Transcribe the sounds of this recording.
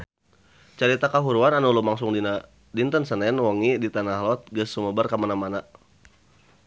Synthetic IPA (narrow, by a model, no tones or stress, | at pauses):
t͡ʃaɾit̪akaɦuɾuananulumaŋsʊŋdina | dint̪ənsənɛnwɔŋidit̪anahlɔt̪̚ɡəsːuməbərkamanamana